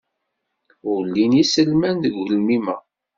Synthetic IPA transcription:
ʊɾlːinjisəlmænðəɡːəlmimæ

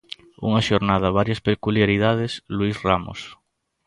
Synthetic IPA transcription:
ṵŋaʃoɾnaðɐβ̞aɾjaspekuljaɾiðað̞eslwisramo̰s

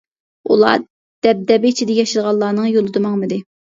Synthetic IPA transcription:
ṵlˠɑ̰ː | d̪̥ɛp̚d̪ɛbɪit͡ʃʰid̪ɛjɑʃɨlʁɑlˠːɑːnɨŋjolˠɨd̪ɨmɑŋmɨd̪ɪ

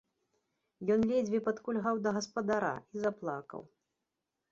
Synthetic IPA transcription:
jɔnlʲed͡zʲvʲipɐt̪kulʲɣawd̪ɐɣɐspɐd̪aɾa̰izaplˠakɐ̰w

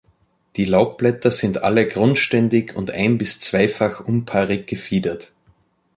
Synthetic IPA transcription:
d̥iːlaʊp̚b̥lɛtɐz̥ɪntʔa̰ləɡʁʊntʃtɛndɪçʊ̰ntʔa̰ɪnbɪst͡sv̥aɪfaxʔʊnpʰaːʁɪɡ̚ɡ̥əfiːdɐt

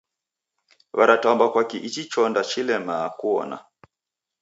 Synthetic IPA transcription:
βaɾataɔmbakwakiʔit͡ʃit͡ʃɔndat͡ʃilɛmakuɔ̰na̰

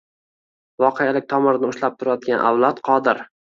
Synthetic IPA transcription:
vɒqʰejalɪk̚ʲt̪ʰɒmɪɾɪnɪʊʃlap̚t̪ʰʊɾajɒt̪̚ɡʲanʔa̰wlˠɒt̪qʰɒd̪ɪɾ

